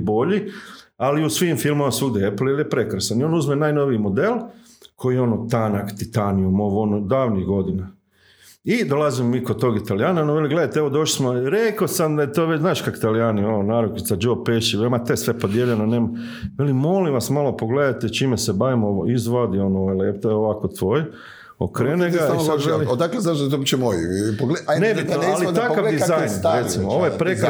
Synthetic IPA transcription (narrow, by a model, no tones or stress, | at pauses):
bo̞ʎialiusʋiːmfilˠmomasuːd̪ieplilijepɾe̞kɾasanio̞ːnuzmenaːjno̞ʋiːmo̞d̪elˠ | kʰo̞jijeo̞not̪anakt̪it̪anijumoʋonod̪aːʋniɣɡo̞d̪ina | id̪o̞lazimomiːkod̪̚t̪oɡit̪alijaːnaonoʋeliɡle̞d̪at̪eeʋo̞d̪o̞ʃli̥smoɾekosamd̪aet̪oːʋet͡ɕznaːʃkaki̥t̪alijaːniononaːɾokit̪sad͡ʒoːbpeʃiʋelʲmat̪esʋe̞po̞d̪jeʎenoneːma | ʋelimo̞lĩʋasmalo̞po̞ɡleːd̪at̪et͡ʃimesebaʋimoʋoizʋod̪ionooʋeleet̪ojeoʋakot̪ʋoːj | o̰kɾeneɡ̪aisaelid̪akleznaʒd̪t̪obit͡ʃemojḭpoɡlenebit̪alit̪akaʋd̪izajnɾet̪imooʋojepɾeka